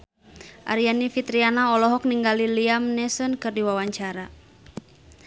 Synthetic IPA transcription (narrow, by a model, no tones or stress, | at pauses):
ʔa̰ɾianifit̪ɾianaɔlɔɦɔk̚niŋɡaliliamnɛsɔnkɨrdiwawaɲt͡ʃaɾa